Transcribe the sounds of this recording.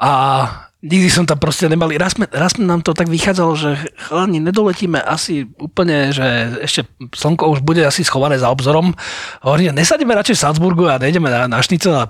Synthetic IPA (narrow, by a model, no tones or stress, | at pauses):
ʔa | ɲiɡd̪isɔmt̪ampɾɔscɛɲɛmaliɾasmɛɾasmɛnaːmt̪ɔt̪aɡʋixaːd͡zalɔʒɛxlaɲiɲɛd̪ɔlɛciːmɛʔasiuːpl̩ɲɛʒɛɛʃcɛsɔŋkɔuʒbuɟɛasisxɔʋanɛːzaɔbzɔɾɔmɦɔʋɔɾiːmɛɲɛsaɟɛmɛɾat͡ʃɛfsanzbuɾɡuaɲɛjɟɛmɛnanaʃɲit͡sɛalɛ